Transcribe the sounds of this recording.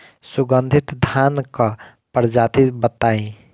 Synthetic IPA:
suɡənd̪ʱit̪d̪ʱanka | pəɾd͡ʒat̪ibət̪aĩ

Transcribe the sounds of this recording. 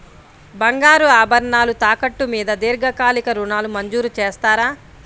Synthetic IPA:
bɐŋɡaːɾuaːbɐɾɳaːlut̪aːkɐʈːumiːd̪ɐd̪iːɾɡɐkaːlikɐɾuɳaːlumɐɲd͡ʒuːɾut͡ʃeːst̪aːɾaː

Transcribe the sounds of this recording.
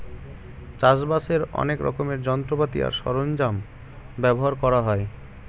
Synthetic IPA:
t͡ɕaʃbaseɾɔ̰nekɾɔ̰komeɾd͡ʑɔnt̪ɾopat̪ḭa̰ɾʃɔɾond͡ʑam | bɛboɦaɾkɔɾaɦɔe

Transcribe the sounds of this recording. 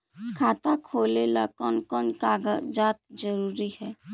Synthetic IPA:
kʰaːt̪akʰoːlelakɔnkɔnkaɡd͡ʒaːt̪̚d͡ʒəɾuːɾihɛː

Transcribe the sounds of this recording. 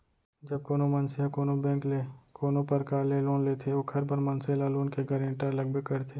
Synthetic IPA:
d͡ʒɐb̚koːnomɐnseɦakoːnobɛ̃ːŋklekoːnõpɐɾkaːleloːnleːt̪ʰeoːkʰɐɾbɐɾmɐnselaːluːnkeɡɐɾɪ̃ɳʈəɾlɐɡ̚bekɐɾt̪ʰeː

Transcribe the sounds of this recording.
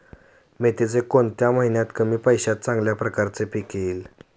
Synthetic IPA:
met̪ed͡zekoɳt̪jamaɦinjat̪kəmiːpəjɕat̪̚t͡sãŋɡljapɾəkaɾt͡sepikiːl

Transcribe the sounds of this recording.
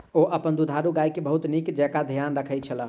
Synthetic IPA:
oʔəpənd̪ud̪ʱaɾuɡajkebəɦut̪nikd͡ʒɛkad̪ʱjanɾəkʰəjt̪̚t͡ʃʰələ̃

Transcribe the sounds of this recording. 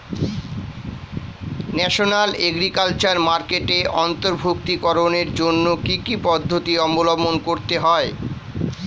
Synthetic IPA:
nɛʃonaleɡɾikalt͡ɕaɾmaɾkeʈeʔɔnt̪oɾbʱok̚t̪ikɔɾoneɾd͡ʑonːokikipɔd̪ʱːot̪iɔmolɔmonkoɾt̪eɦɔe

